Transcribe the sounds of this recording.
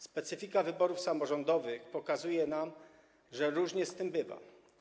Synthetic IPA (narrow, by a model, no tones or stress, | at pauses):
spɛt̪sɘfʲikavɘbɔɾufsamɔʐɔnd̪ɔvɘxpɔkazujɛnam | ʐɛɾuʐɲɛst̪ɘmbɘva̰